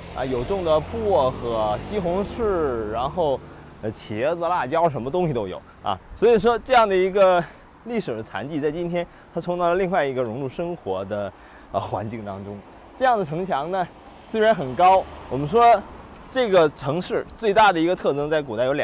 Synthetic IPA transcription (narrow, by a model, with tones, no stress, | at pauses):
ɐ̰˧jo˨˩ʊʈ͡ʂʊ˥˩ŋd̪ə˩pwɔ˥˩xɤ˧˥ɕi˥xʊ˧˥ŋʂɻ̩˥˩ɻa˧˥nxo˥˩ʊ | ə˧˩t͡ɕʰjɛ˧˥d͡z̩˧la˥˩t͡ɕjɑ˥ʊʂ̬ə˧˥nmə˧ʊ˥ŋɕi˩t̪o˥ʊjo˨˩˦ʊɐ̰˧˩swɔ˧˥i˨˩ʂwɔ˥ʈ͡ʂɤ˥˧jɑ˥˩ŋd̪ə˩i˧˥ɡə˧ | li˥˩ʂɻ̩˨˩d̪ə˦t͡sʰa̰˧˥nt͡ɕi˥˧t͡sa˥˩ɪt͡ɕi˥nt̪ʰjɛ˥n | t̪ʰa˥t͡sʰʊ˧˥ŋn˥˩lə˧li˥˧ŋwa˥˩ɪi˧˥ɡə˧ɻʊ˧˥ŋlu˥˩ʂɤ˥ŋxwɔ̰˧˥d̪ə˧ | ə˧˩xwa̰˧˥nt͡ɕi˥˩ŋt̪ɑ˥ŋʈ͡ʂʊ˥ŋ | ʈ͡ʂɤ˥˧jɑ˥˩ŋd̪ə˩ʈ͡ʂʰɤ˧˥ŋt͡ɕʰjɑ˧˥ŋnə˨ | swe˥ɪɻa˧˥nxə˨˩nkɑ˥ʊwɔ˨˩mə˦nʂwɔ˥ | ʈ͡ʂɤ˥˩ɡə˩ʈ͡ʂʰɤ˧˥ŋʂɻ̩˥˩t͡swe˥˧ɪt̪a˥˩d̪ə˩i˧˥ɡə˧t̪ʰɤ˥˩ʈ͡ʂɤ˥ŋt͡sa˥˩ɪk̬u˨˩t̪a˥ɪo˧˥lj